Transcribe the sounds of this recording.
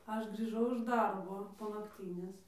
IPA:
ˈɐʃ ɡrʲiːˈʒɐʊ ɪʃ ˈdɐrboː poː nɐkˈtʲiːnʲeːs

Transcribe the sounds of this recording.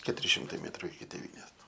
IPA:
kʲɛtʊˈrʲɪ ʃʲɪmˈtɐɪ ˈmʲeːtrʊ ɪkʲɪ tʲeːˈʋʲiːnʲeːs

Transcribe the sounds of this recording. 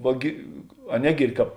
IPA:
ˈʋɐ ɡʲɪ ɐ ˈnʲæːɡʲiːrʲdʲɪ ˈkɑːp

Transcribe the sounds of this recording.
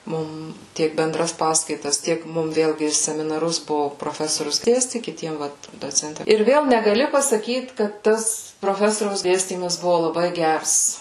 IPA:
ˈmʊm ˈtʲiɛk bʲɛnˈdrɐs ˈpɑːskɐɪtɐs ˈtʲiɛk ˈmʊm ˈʋʲeːlʲɡʲɪ sʲɛmʲɪnɐˈrʊs ˈbʊʋoː proːˈfʲæːsoːrʲʊs ˈdʲeːsʲtʲɪ kʲɪˈtʲiɛm ˈʋɐt doːˈt͡sʲɛnʲtʲɪ ɪr ˈʋʲeːlˠ nʲɛɡɐˈlʲɪ pɐsɐˈkʲiːt kɐt ˈtɐs proːˈfʲæːsoːrʲɛʊs ˈdʲeːsʲtʲiːmɐs ˈbʊʋoː lˠɐˈbɐɪ ˈɡʲɛrs

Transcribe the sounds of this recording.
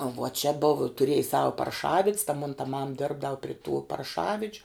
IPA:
ʋuɔ t͡ʃʲɛ boːw tʊˈrʲiɛj ˈsɑːʋɐ pɐrˈʃɑːʋʲɪtʲs tɐ moːn tɐ mɐm ˈdʲɪrbdɐw pʲrʲɪ tuː pɐrˈʃɑːʋʲɪd͡ʒʲʊ

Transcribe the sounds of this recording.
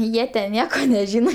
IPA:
ˈjiɛ tʲɛn ˈnʲiɛkoː nʲɛˈʒʲiːnoː

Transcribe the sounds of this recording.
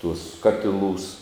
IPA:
tuɔs ˈkɑːtʲɪˌlˠuːs

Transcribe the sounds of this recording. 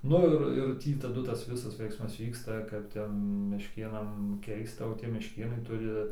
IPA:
ˈnʊ ɪr ɪr ˈtʲiː tɐˈdʊ ˈtɐs ˈʋʲɪsɐs ˈʋʲɛɪksmɐs ˈʋʲiːkstɐ kɐp ˈtʲɛn mʲɛʃʲˈkʲeːnɐm ˈkʲɛɪstɐ oː ˈtʲiɛ mʲɛʃʲˈkʲeːnɐɪ ˈtʊrʲɪ

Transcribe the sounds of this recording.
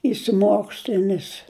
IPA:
ɪʃʲsʲɪˈmoːksʲlʲɪnʲɪs

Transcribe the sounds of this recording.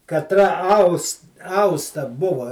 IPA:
kɐtˈrɐ ˈɐʊs ˈɐʊstɐ ˈbʊʋɐ

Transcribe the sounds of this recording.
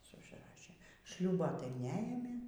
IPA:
ˈsʊ ʊʒˈrɑːʃʲeː ˈʃʲlʲuːboː tɐɪ nʲɛˈeːmʲeː

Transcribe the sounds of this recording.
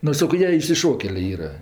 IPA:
ˈnʊ ˈsɑːkoː ˈjiɛ ɪʃʲsʲɪˈʃoːkʲɛlʲeː ˈiːrɐ

